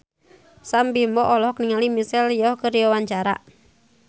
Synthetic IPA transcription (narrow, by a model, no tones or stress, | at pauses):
sambimbɔʔɔlɔɦkniŋalimisɛljɔhkəɾiɔwaɲt͡ʃaɾa̰ʔ